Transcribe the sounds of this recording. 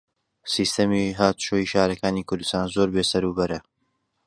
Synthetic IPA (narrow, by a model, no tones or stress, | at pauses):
siːst̪ɐmiɦaːt̪ʃoːiːʃaːɾɐkaːniːkʰʊɾd̪u̥st̪aːnzoːɾbeːsɐɾuːbɐɾɐ